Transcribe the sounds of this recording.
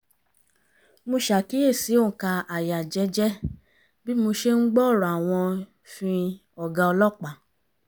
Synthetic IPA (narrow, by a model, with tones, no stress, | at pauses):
mo˧ʃa˨ki˦e˦˨si˨˦o˦˨ka˧a˨ja˨d͡ʒɛ˨˧˦d͡ʒɛ˦ | bi˦mo˧ʃe˦ŋ̩˦ɡ͡bɔ˦˨ɾa˨w̃ɔ̃˧ | fĩ˧ | ɔ˨ɡa˧ɔ˧lɔ˦˨k͡pa˨